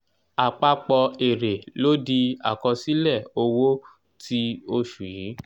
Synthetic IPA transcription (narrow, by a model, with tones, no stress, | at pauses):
a˨k͡pa˧k͡pɔ˧e˨ɾe˨lo˦di˧a̰˨kɔ˧si˦lɛ˦˨o˧wo˦ | ti˦o˧ʃu˨jĩ˨˦